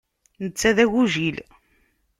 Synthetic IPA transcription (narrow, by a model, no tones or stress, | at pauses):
nət͡sːæðæʝuʒil